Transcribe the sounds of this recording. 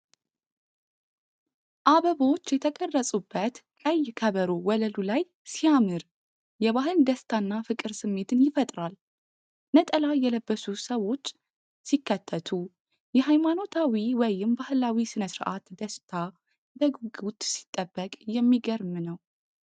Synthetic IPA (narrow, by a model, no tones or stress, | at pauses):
ʔaβəβo̞t͡ʃːjɛt̪ʰəkʼərːəsʼubːət̪kʼəjːkʰəβəɾowɔləlulaj | sijamɨɾ | jɛβaɦɨld̪əst̪ʰanːafɨkʼɨɾsɨmːe̞t̪ʰɨnjɪfət̪ʼɾal | nət̪ʼəlajɛləbːəsusəwo̞t͡ʃː | sikːət̪ʰːət̪ʰu | jɛɦajmano̞t̪ʰawiwɔjɪmbahɨlawisɨnəsɨɾʔat̪d̪əst̪ʰa | bəɡɡut̪si̥t̪ʼːəbːəkʼjɛmːiɡəɾmɨnəw